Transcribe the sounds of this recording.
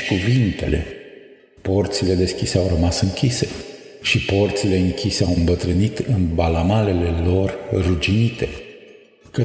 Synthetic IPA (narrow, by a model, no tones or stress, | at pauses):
kuvint̪e̞le̞̰ | po̞rt̪sile̞d̪e̞skʲise̞awɾəmasɨŋkʲise̞ | ʃipo̞rt̪sile̞ɨŋkʲise̞awɨmbət̪ɾɨnit̪ɨnbalamale̞le̞lo̞rrud͡ʒinit̪e̞ | kə